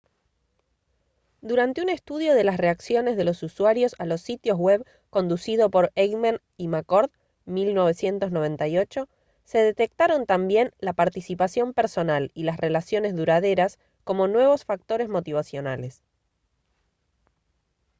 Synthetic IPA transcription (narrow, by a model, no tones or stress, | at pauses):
d̪uɾant̪eune̞st̪uð̞jo̞ð̞e̞lasre̞aksjo̞ne̞zðe̞lo̞suswaɾjo̞salo̞sːit̪jo̞zɣweβ | ko̞nd̪usið̞o̞po̞ɾeɣman | imakoɾð | milno̞βe̞sje̞nt̪o̞zno̞β̞e̞nt̪ajo̞t͡ʃo̞ | se̞ðe̞t̪e̞k̚t̪aɾo̞nt̪ambje̞nlapaɾt̪isipasjo̞mpe̞ɾso̞nalilasre̞lasjo̞ne̞zðuɾaðe̞ɾas | ko̞mo̞nwe̞β̞o̞sfak̚t̪o̞ɾe̞zmo̞t̪iβ̞asjo̞nales